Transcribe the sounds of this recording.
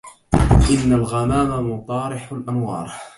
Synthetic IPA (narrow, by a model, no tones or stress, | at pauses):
ʔɪnːalɣamaːmamʊt̪ˤɑːɾɪħlʔanwɑ̰ːɾˤ